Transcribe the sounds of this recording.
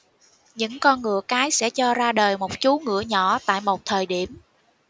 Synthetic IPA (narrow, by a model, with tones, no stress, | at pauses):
ɲɨ̰˧˥ŋkɔ˧nŋɨ̰˧˩˨əkaː˨˦jsɛ̰˧˥t͡ɕɔ˧zaː˧ɗəː˨˩jmo˨˩t̚t͡ɕu˨˦ŋɨ̰˧˩əɲɔ˧˩˨t̪a̰ː˧˨jmo˨˩t̚t̪ʰəː˨˩jɗi˧˩əm